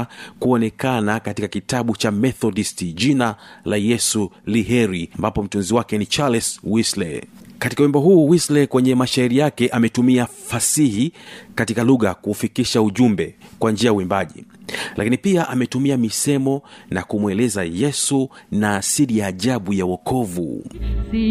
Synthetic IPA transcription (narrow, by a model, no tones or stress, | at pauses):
kuɔnɛkanakatikakitaɓut͡ʃamɛθɔɗistiʄinalajɛsuliɦɛɾiambapɔm̩tunziwakɛnit͡ʃalɛswislɛ̰katikauwimbɔɦuːwislɛkwɛɲɛmaʃaiɾijakɛʔamɛtumiafasihikatikaluɣakuːfikiʃauʄumbɛkwand͡ʒiajawimbaʄḭlʔakinipiaʔamɛtumiamisɛmɔnakumwɛlɛzajɛsunasiɾijaːʄaɓujawɔkɔvṵ